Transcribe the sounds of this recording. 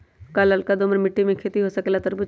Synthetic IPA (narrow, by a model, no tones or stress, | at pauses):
kalɐlkad̪oməɾmɪʈːimẽkʰeːt̪iɦosɐkelat̪ɐɾbu